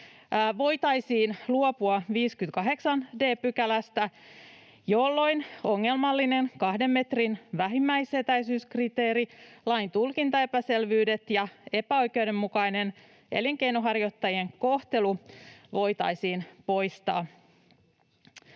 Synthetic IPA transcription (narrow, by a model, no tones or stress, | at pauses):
ʋo̞jt̪ɑjsiːnluopuɑʋiːskyt̪kɑɦe̞ksɑnde̞ːpykælæst̪æ | jolːo̞jno̞ŋːe̞lmɑlːine̞nkɑhdemːet̪rinʋæɦimːæjse̞t̪æjsyːskrit̪e̞ːɾilɑjnt̪ulkint̪ɑe̞pæse̞lʋyːde̞t̪jɑe̞pæo̞jk̟e̞wɾe̞mːukɑjne̞n | e̞̰liŋkejnoɦɑrjo̞t̪ːɑjie̞ŋko̞ht̪e̞luʋo̞jt̪ɑ̰jsiːnpo̞jst̪ɑ̰ː